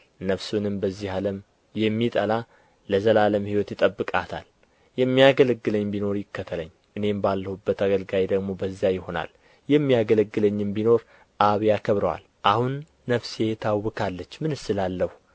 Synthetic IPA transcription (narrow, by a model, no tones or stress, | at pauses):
nəfsunɨmbəzːihaləm | jɛmːit̪ʼəlaː | əzəlaləmhiwɔt̪jɪt̪ʼəbːɨkʼa̰t̪ʰa̰l | jɛmːijaɡələɡːɨləɲːbino̞ɾjɪkːət̪ʰələ̰ɲː | ʔɨne̞mbalːəhubːət̪aɡəlɡajd̪əɡmo̞bəzːijajɪho̞na̰l | jɛmːijaɡələɡːɨləɲːɨmbino̞ɾ | ʔaβjakʰəβɾəwa̰l | ʔahunː | əfset̪ʰawːɨkʰalːət͡ʃːmɨnɨsɨlalːəhu